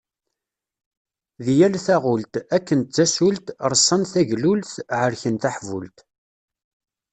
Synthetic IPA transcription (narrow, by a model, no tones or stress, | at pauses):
ðijælθæʁʊlt̪ækːənt̪̚t͡sːæsult̪ɾˤəsˤːɑnθæʝlulθʕəɾçənt̪aħvṵlt̪